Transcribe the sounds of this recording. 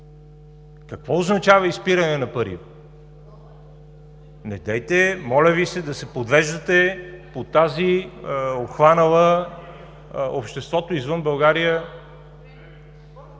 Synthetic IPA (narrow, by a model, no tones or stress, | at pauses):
kɐkvɔoznɐt͡ʃavəispiɾɐnɛnɐpɐɾḭ | nɛd̪ɛjt̪ɛmɔlʲəvisɛd̪ɐsɛpod̪vɛʒd̪ət̪ɛpot̪azi | opxvanəlˠə | opʃt̪ɛst̪vɔt̪oizvɤnbɐlˠɡaɾijə